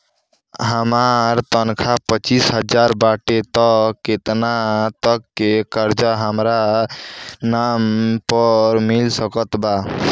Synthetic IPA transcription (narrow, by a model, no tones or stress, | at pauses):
ɦəmaɾt̪ənkʰapət͡ʃisɦəd͡ʒaɾbaʈet̪əkːet̪nat̪əkːekəɾd͡ʒaɦəmɾa | nampəɾmilsəkət̪ba